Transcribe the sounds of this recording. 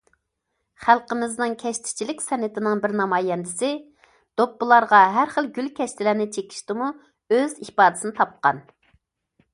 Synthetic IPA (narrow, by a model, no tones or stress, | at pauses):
χælˠqəmɪznɨŋkʲʰɛʃt̪ʰɪ̥t͡ʃʰilɪkʲsɛnɪt̪ʰɪnɪŋbɪɾnɑmɑːjɛnd̪ɪsɪ | d̪̥opːɨlˠɑɾʁɑɦæɾχəlɡʲylkʲʰɛʃt̪ʰɪlæɾnɪt͡ʃʰekʲʰi̥ʃt̪ɪmu | øzihpɑːd̪ɨ̥sɨnɪt̪ʰɑp̚qɑn